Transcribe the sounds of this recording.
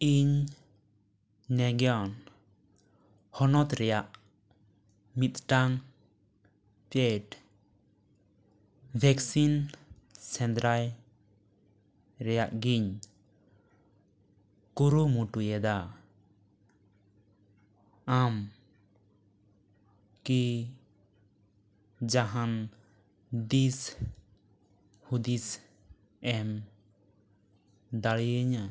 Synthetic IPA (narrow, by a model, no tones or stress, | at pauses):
iɲ | nɛɡɛjɔn | hɔnɔt̪ɾɛjaʔ | mit̪̚ʈaŋ | pɛʈ | bʱɛksinsɛnd̪ɾaj | ɾɛjaʔɡiɲ | kuɾumuʈujɛd̪a | am | ki | d͡ʒaɦan | d̪is | hud̪is | ɛm | d̪aɭiəɲa